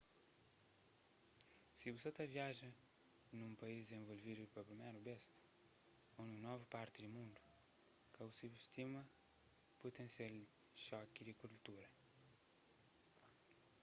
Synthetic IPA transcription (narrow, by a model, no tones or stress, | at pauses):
siusot̪ɐviaʒɐ̃ | nũmpɐizd̪zẽvolvid̪upɐpɾimejɾubes | onunɔvɐpaɾt̪id̪umũnd̪u̥ | kɐusubiʃt̪imɐ | put̪ẽsel | ʃɔkid̪ikuɾlt̪uɾɐ